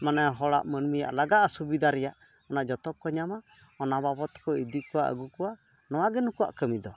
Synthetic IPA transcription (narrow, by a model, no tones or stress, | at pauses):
manaɦɔɽa̰ʔmənmija̰ʔlaɡaʔasubid̪ʱaɾɛjaʔ | ɔnaʔd͡ʒɔt̪ɔkːɔɲama | ɔnababɔt̪ɔ̥kɔid̪ikɔwaʔə̰ɡukɔwa | nɔwaɡɛnukua̰ʔkəmid̪ɔ